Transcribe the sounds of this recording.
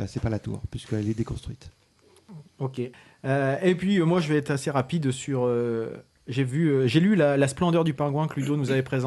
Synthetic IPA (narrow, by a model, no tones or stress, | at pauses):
sɛpalat̪ṵːʁpɥiskəɛlɛd̪ekɔ̃st̪χɥit̪ | okʲe | øepɥiømwaʒəvɛɛt̪χaseʁapid̪syʁø | ʒevyøʒelylalasplɑ̃d̪œʁd̪ypɛ̃ɡwɛ̃klyd̪onuzavɛpχezɑ̃